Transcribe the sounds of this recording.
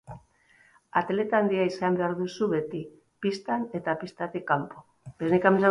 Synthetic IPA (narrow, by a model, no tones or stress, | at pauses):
at̪e̞le̞t̪aːnd̪iaisambe̞aɾðusuβe̞t̪i | pist̪ane̞t̪apist̪at̪ikampo | beznikamesa